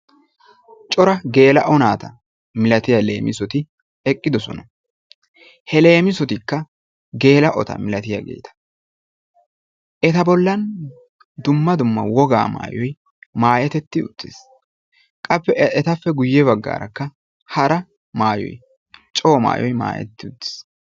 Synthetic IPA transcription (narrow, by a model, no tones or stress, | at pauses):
t͡ʃʼɔɾɐɡe̞ːlɐʔɔnaːt̪ɐ | mɪlɐt̪ɪjɐle̞̰ːmʔɪsɔt̪ɪ | ɛkʼːɪd̪ɔsɔ̰nɐ | hɛle̞ːmɪsɔt̪ɪkːɐ | ɡe̞ːlɐʔɔt̪ɐ̰mɪlɐt̪ɪjɐ̰ɡḛːt̪ʰɐ̥ | ʔɛt̪ɐbɔlːɐn | d̪ʊmːɐd̪ʊmːɐ̰wɔɡa̰ːma̰ːjɔj | maːjɛt̪ɛt̪ːɪʊ̰t̪ːɪs | kʼɐpːɛɛt̪ɐfːɛɡʊjːɛbɐɡːa̰ːɾɐkːɐ | hɐɾɐ | maːjɔ̰j | t͡ʃʼo̞ːma̰ːjɔjma̰ːjɛ̰t̪ːɪʊt̪ːɪ̥s